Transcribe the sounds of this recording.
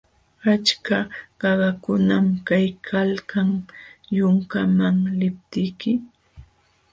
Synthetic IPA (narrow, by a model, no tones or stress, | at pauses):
at͡ʃkaɢɑɢɑkʊnamkajkʰalkaŋjʊŋkamaŋlɪp̚t̪ɪjkɪ